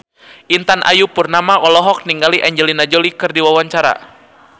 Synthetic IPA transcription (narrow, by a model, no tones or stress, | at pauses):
ʔint̪anʔa̰jupurnamaʔɔlɔɦɔk̚niŋɡaliʔaɲd͡ʒɛlinad͡ʒɔlikɨrdiwawaɲt͡ʃaɾa̰